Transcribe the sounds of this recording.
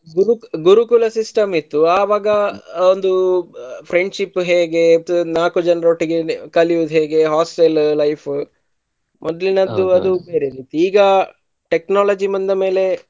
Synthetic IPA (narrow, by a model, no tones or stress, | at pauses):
ɡuɾuɡuɾukulɐsisʈɐmit̪ːuaːʋaːɡɐond̪upʰɾeɳɖʃipːɦeːɡe̞naːkud͡ʒɐnɐɾoːʈːiɡekɐliʋud̪uɦeːɡe̞ɦaːsʈellɐjpʰ | mʔɔd̪ɐlinɐd̪ːuɐd̪ubeːɾeɾiːt̪iiːɡɐ | ʈeknaːlɐd͡ʒimɐnd̪ɐme̞ːle̞